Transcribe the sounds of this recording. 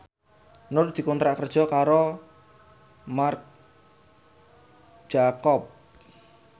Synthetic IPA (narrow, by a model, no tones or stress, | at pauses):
nʊrd̪̥i̤kɔnt̪ɾaʔkərd̥ʒ̥ɔ̤kaɾo | mark̚ | d̥ʒ̥akɔp̚